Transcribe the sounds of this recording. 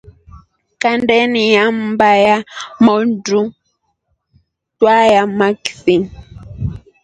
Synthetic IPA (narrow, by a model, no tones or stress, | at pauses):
kandɛnijam̩bajamɔndu | twajamakθiŋ